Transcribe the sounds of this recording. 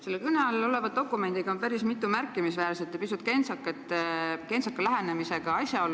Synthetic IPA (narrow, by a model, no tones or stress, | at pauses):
se̞lːekyneɑlo̞le̞vɑd̪̚d̪o̞kːˑume̞nd̪̥iɡ̥ɑopæɾismit̪ːˑumærkːˑimisvæːɾset̪ːˑepisut̪̚ːˑke̞nsɑkːˑet̪ːeke̞nsɑkːˑɑlæɦenemise̞ɡ̥ɑɑsʲjɑo̞lː